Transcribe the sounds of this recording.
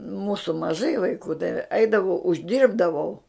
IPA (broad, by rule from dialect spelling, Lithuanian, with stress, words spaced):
ˈmuːsʊ mɐˈʒɐɪ ʋɐɪˈkuː tɐɪ ˈɛɪdɐʋɐʊ ʊʒʲˈdʲiːrbdɐʋɐʊ